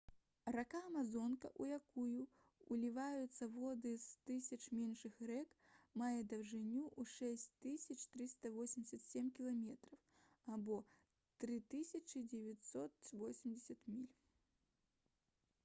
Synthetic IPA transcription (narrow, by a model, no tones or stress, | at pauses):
rakaːmazɔnkɐʔujakujuː | lʲivajut̪sːɐvɔd̪ɨst̪ɨsʲɐt͡ʂmʲɛnʂɨxɾɛkmajɛd̪ɐwʐɨnʲːuʔuʂɛsʲt͡sʲt̪ɨsʲɐt͡ʂt̪ɾɨst̪ɐvɔsʲɪmʲdʲɪsʲɐt̪sʲemʲkʲilˠamʲɛt̪ɾɐw | abɔ | t̪ɾɨt̪ɨsʲɐt͡ʃɨd͡zʲɛvʲat̪ʲsɔt̪vɔsʲimd͡zʲɪsʲɐt̪mʲilʲ